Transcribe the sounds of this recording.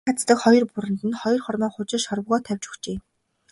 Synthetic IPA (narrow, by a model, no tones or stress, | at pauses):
at͡st̪ə̆kχɔjɞ̆rpʊɾɘ̆nt̪ɘ̆nχɔjɞ̆rχɔrmaːŋχʊt͡ɕɪ̆ʃɔɾ̆ɣɔːt̪ʰæwʲt͡ɕu̥xt͡ɕeː